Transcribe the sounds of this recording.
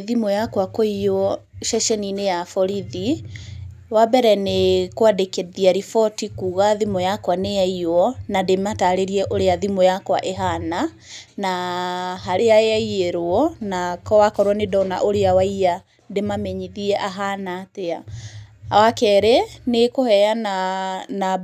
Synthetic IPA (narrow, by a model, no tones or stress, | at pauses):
ðimɔjakwakoiɔʃɛʃɛninejafɔɾiði | wabɛɾɛnekwadekeðiaɾifɔtikuɣaðimɔjakwanejaiɔnademataɾeɾiɛʔoɾeaðimɔjakwaʔeɦana | naɦaɾeaeaieɾoɔnakɔwakɔɾwɔnedɔna̰ʔoɾeawaia | demamɛɲiðiɛʔaɦanatea | wakɛɾɛnekohɛjanana